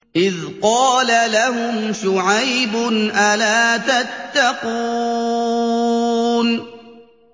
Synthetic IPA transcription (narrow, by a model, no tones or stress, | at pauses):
ʔɪðqɑːlalaɦʊmʃʊʕajbʊnʔalaːt̪at̪ːaquː | n